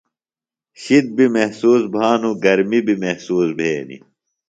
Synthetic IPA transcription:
ɕid̪̚bimehsuːsbʱaːnuɡɐɾmibimehsuːsbʱeːnḭ

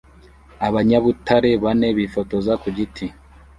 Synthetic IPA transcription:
aβaɲaβutʰaɾe̞βane̞βifo̞to̞zakuɟitʰi

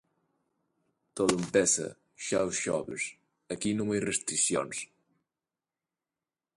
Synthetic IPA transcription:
t̪oðəmpɛsə̰ | ʃa̰wsʃɔβə̰s | əkinumajrest̪ɾisjo̰ns

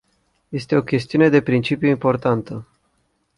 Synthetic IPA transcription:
je̞st̪e̞o̞kʲe̞st̪iune̞d̪e̞pɾint͡ʃipjuimpo̞rt̪ant̪ə

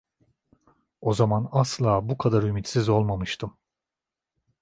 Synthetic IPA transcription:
o̞zamanaslˠaːbukʰad̪aɾymit̪sizo̞lˠmamɯʃt̪ʰɯm

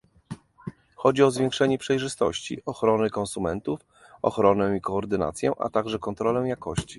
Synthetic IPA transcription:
xɔd͡ʑiɔzvʲjɛ̃ŋkʂɛɲɛpʂɛjʐɘst̪ɔ̰ɕt͡ɕḭʔɔxɾɔnɘkɔnsumɛnt̪uf | ɔ̰xɾɔnɛw̃ikɔːɾd̪ɘna̰t̪sʲjɛ̰ʔa̰t̪aɡʐɛkɔnt̪ɾɔlɛw̃jakɔɕt͡ɕi̥

